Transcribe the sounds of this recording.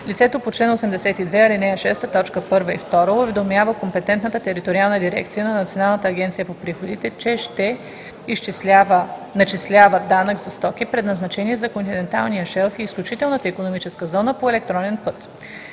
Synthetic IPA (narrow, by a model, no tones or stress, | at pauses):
lit̪sɛt̪opot͡ʃlɛnosɛmd̪ɛsɛt̪id̪vɛɐlinɛʃɛst̪ət̪ɔt͡ʃkəpɤɾvəḭft̪ɔɾəovɛd̪omjavəkompɛt̪ɛnt̪nət̪ət̪ɛɾit̪oɾialˠnəd̪iɾɛ̰k̚t̪sijənɐnɐt̪sionalˠnət̪əːɡʲɛnt̪sijəpopɾixod̪it̪ɛt͡ʃɛʃt̪ɛ | iʃt͡ʃislʲavənɐt͡ʃislʲavəd̪anəkzɐst̪ɔk̟ipɾɛd̪nɐznɐt͡ʃɛniɛzɐkont̪inɛnt̪a̰lˠnijəʃɛlˠfiːsklʲut͡ʃit̪ɛlˠnət̪əikonomit͡ʃɛskəzɔnəpoɛlɛk̚t̪ɾɔnɛnpɤt̪